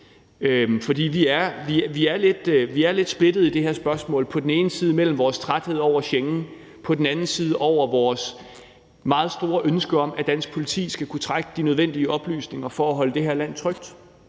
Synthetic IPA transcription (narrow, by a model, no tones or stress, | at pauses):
ømfɒ̽d̥ḭːʋiæɐʋiʋiæɐle̝d̥ʋiæɐle̝d̥sb̥le̝d̥ð̩ˠid̥e̝heɐsb̥ɶɐsmɔ̰ːlpʰɒ̽d̥en̩e̝ːnəsiːð̞ˠmel̰m̩ʋɒːst͡sʰʁad̥he̝ð̞̰ˠɒʊ̰ɐɕeŋn̩ | pʰɒ̽d̥en̩ænn̩siːð̞ˠəʔɒʊ̰ɐʋɒːs | mɑ̈ːð̞̩ˠsd̥o̝ːɐʔønsɡ̥əɒ̽m̰æd̥æn̰sɡ̥̚pʰo̝lit͡sʰḭːsɡ̥ækʰut͡sʰʁaɡ̥əd̥inøð̞ˠʋen̰d̥iəɒ̽b̥ly̰ːsne̝ŋɐfɒæɦɒ̽ləd̥e̝ɦeɐlæn̰t͡sʰʁœɡ̥̚d̥